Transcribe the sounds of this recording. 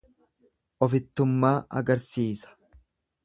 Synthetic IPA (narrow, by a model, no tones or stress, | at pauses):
ʔɔfɪt̪ːʊmːaːʔɐ̰ɡɐɾsiːsɐ̥